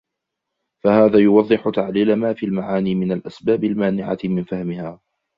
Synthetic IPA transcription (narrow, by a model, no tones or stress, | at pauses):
fahaːðaːjʊwɑðˤːɨħʊt̪aʕliːlamaːfiːlmaʕaːniːmɪnalʔasbaːbalmaːnɪʕa̰mɪnfahmɪhaː